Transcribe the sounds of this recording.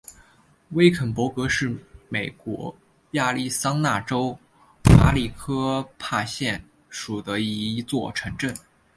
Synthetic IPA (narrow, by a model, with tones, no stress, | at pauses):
we˥ɪkʰə˨˩npwɔ˧˥kɤ˧˥ʂɻ̩˥˩me˨˩ɪkwɔ̰˧˥ | ja˥˧li˥˩sɑ˥ŋna˥˩ʈ͡ʂo˥ʊ | pa̰˧˥li˨˩kʰɤ˥pʰa˥˧ɕjɛ˥˩n | ʂu˨˩d̪ə˦i˧˥t͡swɔ˥˩ʈ͡ʂʰɤ˧˥ŋʈ͡ʂə˥˩n